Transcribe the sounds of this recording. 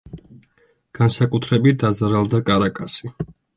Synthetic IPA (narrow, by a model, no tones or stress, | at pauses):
ɡ̥ansakʼut̪ʰɾɛbit̪̚ʰd̪azaɾalˠd̪akʼaɾakʼasi